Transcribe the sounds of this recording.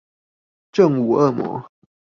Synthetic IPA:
ʈ͡ʂə˥˨ŋu˨˩ə˥˩mwɔ̰˧˥˦

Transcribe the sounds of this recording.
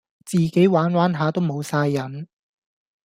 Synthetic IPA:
t͡siː˨ke˨˥jwaː˨˥nwaː˨˥nɦaː˨˧t̪o˥wmo˨˧wsaː˧jːɐ˨˥n

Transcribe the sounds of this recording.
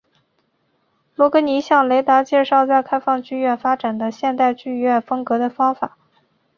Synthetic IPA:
lwɔ˥kɤ˧˥ni˧˥ɕjɑ˥˩ŋle˧˥ɪt̪a˧˥t͡ɕjɛ˥˧ʂɑ˥˧ʊt͡sa˥˧ɪkʰa˥ɪfɑ˥˧ŋt͡ɕy˥˧ɥɛ˥˩nfa˥ʈ͡ʂa˨˩nd̪ə˦ɕjɛ˥˧nt̪a˥˧ɪt͡ɕy˥˧˥ɥɛ˥˩nfɤ˥ŋkɤ˧˥d̪ə˧fɑ˥ŋfa̰˨˩˦

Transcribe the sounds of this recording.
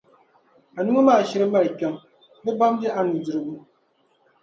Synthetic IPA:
a˨nu˦ŋa˦maː˦˨ʃɛ˦ɾɨ˦ma˦˨ɾkʲɛ˦ŋ | bɨ˦ba˦m˦dɪ˦ʔa˨nɨ˨dɨ˨ɾɨ˨bu˦

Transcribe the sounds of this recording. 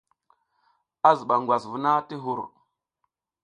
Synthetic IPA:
a˦zə˨ɓa˨ŋɡwa˨svu˦na˦ti˦ɦu˨ɾ

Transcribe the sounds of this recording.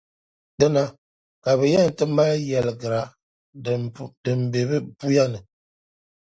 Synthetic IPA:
də˦na˨ | ka˨bə˨jɛ˦˨n̩˨tə˦m˦a˦ljɛ˨lɡə˨ɾa˨ | də˨m̩˨be˨bə˦bu˦ja˦nə˨

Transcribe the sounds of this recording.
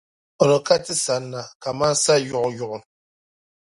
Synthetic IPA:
ɔ˨ɾɔ˨ka˦tɨ˦sa˨nːa˨ka˨ma˦n˦sa˦ju˦ʔʊ˨ju˦ʔʊ˨

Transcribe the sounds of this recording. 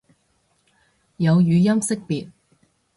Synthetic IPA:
jɐ˨˧wjyː˨˧jɐ˥msɪ˥k̚piː˨t̚

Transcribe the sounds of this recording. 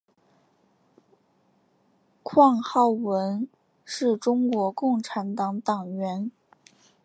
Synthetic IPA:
kʰwɑ˥˧ŋxɑ˥˩ʊwə˧˥n | ʂɻ̩˥˩ʈ͡ʂʊ˥ŋkwɔ˧˥kʊ˥˩ŋʈ͡ʂʰa˧˥nt̪ɑ˧˥ŋt̪ɑ˨˩ŋɥɛ˧˥n

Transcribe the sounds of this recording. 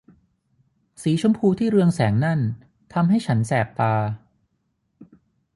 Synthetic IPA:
siː˩˦t͡ɕʰo˧mpʰuː˧t̪ʰiː˥˩ɾɯ˧əŋsɛː˩˦ŋna˥˩n | t̪ʰa˧mɦa˥˩jt͡ɕʰa˦˥nsɛː˨˩p̚t̪aː˧

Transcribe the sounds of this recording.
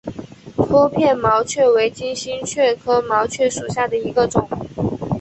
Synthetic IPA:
t̪ʰwo˥pʰjɛ˥˩nmɑ˧˥ʊt͡ɕʰɥɛ˥˩we˧˥ɪt͡ɕi˥nɕi˥nt͡ɕʰɥɛ˥˩kʰɤ˥mɑ˧˥ʊt͡ɕʰɥɛ˥˩ʂu˨˩ɕja˥˩d̪ə˩i˧˥ɡə˧ʈ͡ʂʊ˨˩˦ŋ

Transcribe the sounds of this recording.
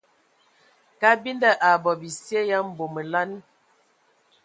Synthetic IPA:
ka˦bi˦nda˦ʔa˨bɔ˨bi˨sje˦ja˦m̩˨bo˨mə˨la˦n

